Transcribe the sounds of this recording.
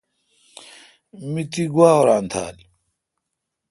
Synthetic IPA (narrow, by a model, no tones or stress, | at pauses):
mit̪iɡuwaːoɾaːnt̪ʰa̰ːl